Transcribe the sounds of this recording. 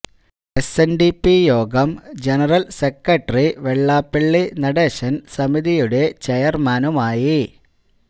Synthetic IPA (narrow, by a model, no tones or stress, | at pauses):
esenɖipːijoːɡɐmd͡ʑenɐrɐlsekːɐʈːɐriʋeɭːaːpːiɭːinɐɽe̞ːɕɐnsɐmiðijuɽe̞t͡ɕejɐrmaːnumaːji